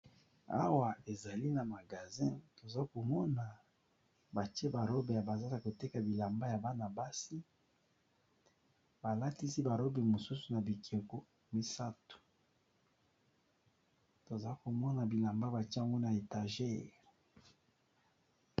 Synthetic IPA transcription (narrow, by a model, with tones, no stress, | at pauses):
a̰˦wa˨e˨za˨li˦na˨ma˨ɡa˨zɛ̃˦to˨za˦ko˨mɔ˦na˨ | ba˨ti˦e˦ba˨lo˦be˨ja˨ba˨za˦na˨ko˨te˦ka˨bi˨la˨mba˦ja˨ba˦na˨ba˦si˦ | ba˨la˦ti˦si˦ba˨ɾo˦be˨mo˨su˦su˨na˨bi˨kʰe˨ko˦ | mi˨sa˦tu̥˨ | to˨za˨i˦ko˨mɔ˦na˨bi˨la˨mba˦ba˨te˦a˦ŋɡo˦na˨e˨ta˨ʒe˦